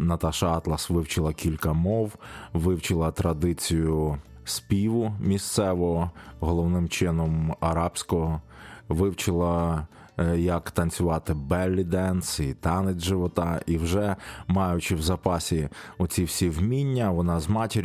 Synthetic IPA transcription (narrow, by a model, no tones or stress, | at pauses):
nɐt̪ɑʃɐɑt̪lˠɐsʋɪwt͡ʃɪlˠɐkʲilʲkɐmɔwʋɪwt͡ʃɪlˠɐt̪ɾɐd̪ɪt͡sʲijʊ | sʲpʲiʋʊmʲist̪sɛʋɔɔɦɔlˠɔwnɪmt͡ʃɪnɔmɐɾɑbsʲkɔɦɔʋɪwt͡ʃɪlˠɐ | jɐkt̪ɐnʲt͡sʲʊʋɑt̪ɪbɛlʲːid̪ɛnsit̪ɑnɪd͡zʲʒɪʋɔt̪ɑiwʒɛmɑjʊt͡ʃɪwzɐpɑsʲiʊt͡sʲiwsʲiwmʲinʲːɐʋɔnɑzmɑtʲɪɾʲ